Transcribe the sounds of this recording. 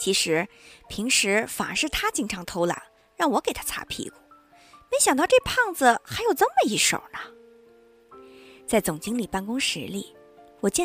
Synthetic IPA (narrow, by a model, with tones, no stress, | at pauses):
t͡ɕʰi˧˥ʂɻ̩˧˥pʰi˧˥ŋʂɻ̩˧˥fa˨˩ə̰˧˥ʂɻ̩˥˩t̪ʰa˥t͡ɕi˥˩ŋʈ͡ʂʰɑ˧˥ŋt̪ʰo˧˥ʊla̰˨˧˥ŋ | ɻɑ˥˩ŋwɔ˧˥ke˨˩ɪt̪ʰa˥t͡sʰa̰˧˥pʰḭ˧˥ku˥˩ | me˧˥ɪɕjɑ˨˩ŋt̪ɑ˥˧ʊʈ͡ʂɤ˥˧pʰɑ˥˩ŋd͡zə˨xa˧˥ɪjo˨˩ʊt͡sə˥˩nmə˨i˧˥ʂo̰˨˩ʊnə˧˩ | t͡sa˥˩ɪt͡sʊ˨˩ŋt͡ɕi˥ŋli˨˩pa˥˩nkʊ˥ŋʂɻ̩˧˥lḭ˥˩ | wɔ˨˩t͡ɕjɛ˥